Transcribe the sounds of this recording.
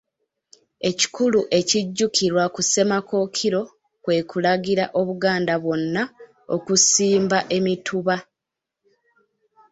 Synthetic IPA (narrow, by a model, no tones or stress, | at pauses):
e̞ci̥kuluʔe̞ciɟːukʰiɾwakuse̞mako̞kʰiɾo̞ | kwe̞ːkulaɡiɾaʔo̞βuɡaːndaβwo̞nːa | o̞̰kusiːmbaʔe̞mitʰuβa